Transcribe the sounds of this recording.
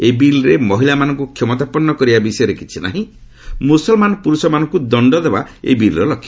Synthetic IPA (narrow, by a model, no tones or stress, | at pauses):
ebilɾemɔɦilamanɔŋkukʰjɔmɔt̪apɔnːɔkɔɾibabisɔjɔɾekit͡ʃʰina̰ɦĩ | musɔlmanɔpuɾusɔmanɔ̃ŋkud̪ɔɳɖɔd̪ebaḛbilɾɔlɔkʰːjɔ